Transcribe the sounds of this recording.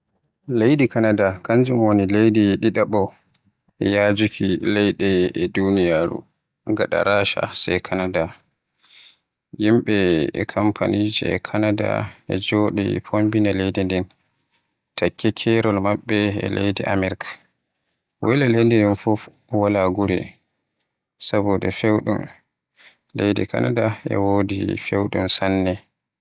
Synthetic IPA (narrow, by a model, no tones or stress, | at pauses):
lejdikanadakaɲd͡ʒumwonilejdiɗiɗaɓɔ | ɛjad͡ʒukʰilɛjɗɛɛdunijaɾṵ | ŋɡaɗa̰ɾaːʃa̰sajkʰanada | jimɓɛ̰kʰampʰa̰nid͡ʒɛ̰ɛ̰kʰanada̰ɛ̰d͡ʒoːɗɛ̰pʰombinalejdindɛn | tʰakːɛkʰɛɾɔlmaɓːɛɛ̰lejdiʔamɛɾkʰḁ | wɛlalejdɛndɛnfuf | walaɡuɾɛ̰ | sabudɛfewɗum | lejdḭkʰa̰nadaɛ̰woːdḭfewɗumsanːɛ